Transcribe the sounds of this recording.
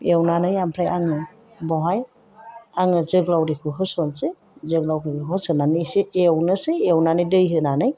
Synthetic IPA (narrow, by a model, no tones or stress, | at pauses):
ewnanɯjampʰɾajaŋɯ | bɔɦaj | aŋɯzɯɡlawɾikʰɯɦɯsɔnse | zɯɡlawkʰɯkʰɯɦɯsɯnanɯjsiʔewnɯsɯjewnanɯjdɯjɦɯnanɯj